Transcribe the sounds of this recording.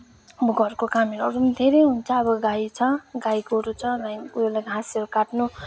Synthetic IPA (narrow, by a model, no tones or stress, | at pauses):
buɡʌrkokamiɾʌɾumd̪ʱeɾejɦunt͡sʰʌːbʌɡajt͡sʰʌɡajkoɾut͡sʰʌɾajujlaɡʱasʌɾukaʈnu